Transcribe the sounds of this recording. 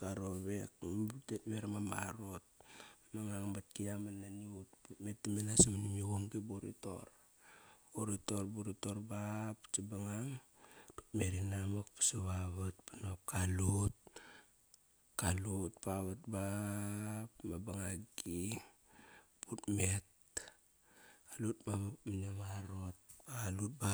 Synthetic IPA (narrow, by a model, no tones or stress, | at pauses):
kaɾoβekbtetmeɾamama̰ɾot̚maŋaŋbat̚kiamananiut̚putmetːimenasamanimiɡoŋɡiboɾḭto̞̰ɾ | oɾito̞ɾbuɾitoɾbapt͡ʃibaŋaŋtu̥tmeɾinamakpḁsaβaβat̚panop̚kalut̚ | kalut̚paβat̚ba | pmabaŋaɡi | putmet̚ | alutmamamanamaɾot̚balut̚ba